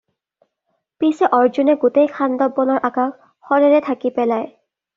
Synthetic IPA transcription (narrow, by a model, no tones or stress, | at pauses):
pisɛʔɔɹzunɛɡutejkʰandɔbːɔnɔɹʔakak | xɔɹɛɹɛtʰakipɛlaj